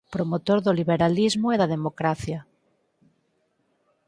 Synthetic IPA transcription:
pɾomot̪oɾðoliβeɾalizmoeðað̞emokɾaθja

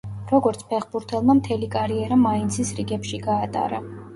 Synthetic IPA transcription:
ɾɔɡɔɾt̪sʰpʰɛχbuɾt̪ʰɛlˠmamt̪ʰɛlikʼaɾiɛɾamaint̪sʰisɾiɡɛpʃiɡaːt̪ʼa̰ɾa

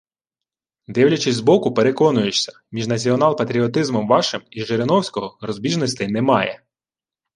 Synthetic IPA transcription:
d̪ɪwlʲɐt͡ʃɪzʲzbɔkʊpe̞ɾekɔnʊjʊt͡ʃsʲɐ̥ | mʲiʒnɐt͡sʲiɔnɑlˠpɐt̪ɾʲiɔt̪ɪzmɔmʋɑʃɪmiʒeɾenɔwsʲkɔɦɔɾɔzbʲiʒnɔsʲt̪ɪjnɛmɑjɛ̰

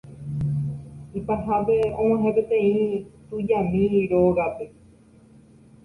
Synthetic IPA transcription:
ipaɦapeõmãɦẽpet̪ẽĩt̪ɨd͡ʒamĩɾoɡape̞

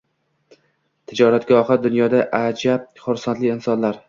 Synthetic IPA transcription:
t̪ʰɪd͡ʒɒɾat̪ɡʲɒhɨd̪ʊnjɒd̪aʔad͡ʒab̚χʊɾsant̪lɪːnsɒnlaɾ

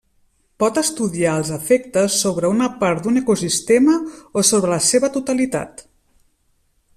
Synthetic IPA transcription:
pɔt̪əst̪uðiaəlˠzəfɛk̚t̪əsːoβɾəunəpaɾt̪̚d̪unəkusist̪eməosoβɾələseβət̪ut̪əlit̪a̰t̪

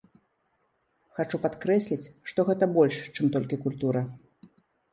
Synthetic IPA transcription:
xat͡ʂupat̪kɾɛsʲlʲit͡sʲʂt̪ɔɣɛt̪ɐbɔlʲʂt͡ʂɨmt̪ɔlʲkʲikulʲt̪uɾɐ

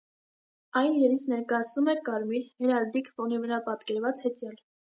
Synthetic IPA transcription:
ɑjnɾɛlit͡sʰnɛɾkɑjɑt͡sʰnumɛkɑɾmiɾhɛɾɑɾd̪ikfɔnivəɾɑpɑt̪kɛɾvɑt͡shɛt͡sjɑl

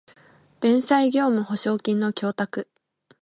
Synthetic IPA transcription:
b̥ẽ̞ɰ̃saiɡʲo̞ːmɯ̟ho̞ɕo̞ːkʲĩnːo̞kʲo̞ːt̪akɯ̟

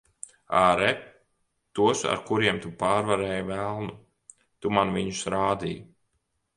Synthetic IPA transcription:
aɾɛp | t̪uɔsa̰ɾkuɾiɛmt̪upaːɾvaɾɛːjvælˠnu | t̪umanviɲusɾaːd̪ḭːj

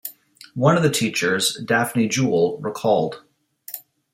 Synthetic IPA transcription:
wʌ̃nʌvðɨtʰit͡ʃə˞zdæfnid͡ʒulˠɹə˞kʰɔlˠd̥

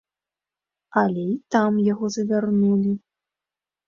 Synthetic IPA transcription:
ɐlʲɛit̪amjaɣɔzɐvʲarnulʲi

